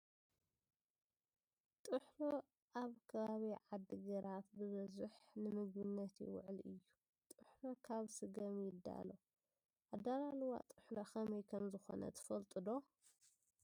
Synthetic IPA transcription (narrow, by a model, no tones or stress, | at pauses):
t̪ʼɨħlo | ʔaβkʰɐβaβiʕad̪ːiɡɐɾat̪̚bɨβɐzɨħnɨmɨɡbɨnːɐt̪jɪ̰wʊ̰ʕɨlɨjːu | t̪ʼɨħlokʰaβsɨɡɐmjɪd̪ːa̰lo̞ | ʔad̪alalwa̰t̪ʼɨħloxɐmɐjkʰɐmzɨxo̞̰nʔɐ̰t̪ʰɨ̥fɐlt̪ʼɨd̪o̞